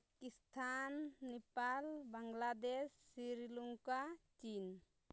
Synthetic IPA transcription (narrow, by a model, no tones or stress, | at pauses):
kist̪ʰanːɛpalbaŋɡlad̪esːiɾiluŋkat͡ʃin